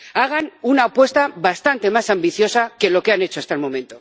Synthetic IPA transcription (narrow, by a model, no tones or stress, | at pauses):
aɣ̞anunaːpwe̞st̪aβast̪ant̪e̞masambiθjo̞sake̞lo̞keane̞t͡ʃoast̪aelmõ̞mẽ̞nt̪o̞